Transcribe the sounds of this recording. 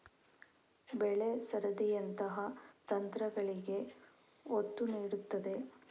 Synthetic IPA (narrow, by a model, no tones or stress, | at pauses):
bɛɭesɐɾɐd̪ijɐnt̪ɐɦɐt̪ɐnt̪ɾɐɡɐɭiɡe̞ | ot̪ːuniːɽut̪ːɐd̪e̞